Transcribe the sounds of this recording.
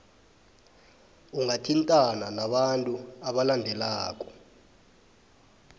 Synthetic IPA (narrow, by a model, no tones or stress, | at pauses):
uŋatʰintʼananaɓantʼuaɓalandʱɛlaːk̬ʼɔ̥